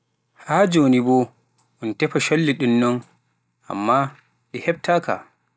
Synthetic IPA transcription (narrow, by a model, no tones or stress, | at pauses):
haːd͡ʒonibɔ | ʔɔntɛpaʃolːiɗunːɔn | ʔa̰mːa | ɗɛhɛb̚taka̰